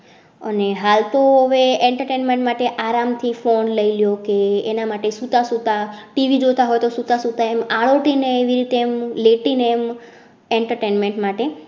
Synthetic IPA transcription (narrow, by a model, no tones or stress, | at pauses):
ə̰neɦalt̪oɦəʋeeɳʈəɾʈenmẽɳʈmaʈeʔaɾamt̪ʰifonləiljokeːnamaʈesut̪asut̪aʈiʋid͡ʒot̪aɦojt̪osut̪asut̪aemaɭoʈineːʋiɾit̪eːmleʈineːm | eɳʈəɾʈenmẽɳʈmaʈe